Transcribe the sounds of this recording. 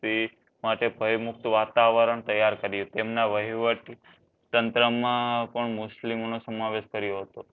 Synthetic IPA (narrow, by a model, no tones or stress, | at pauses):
t̪i | maʈebʱəjmʊk̚t̪ʋat̪aʋəɾəɳt̪əjːaɾkəɾjũt̪emnaʋəɦiʋəʈ | t̪ənt̪ɾəmãpəɳmʊslimonosəmaʋeʃkəɾjoɦət̪o